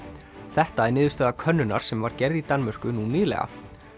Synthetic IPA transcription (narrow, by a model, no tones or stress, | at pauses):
θɛht̪aɛɾnɪːðʏst̪ɛːðakʰœnːʏna̰ɾ̥sɛmvaɾcɛɾðit̪anmʏr̥kʏnuniːðlɛ̰ɣa̰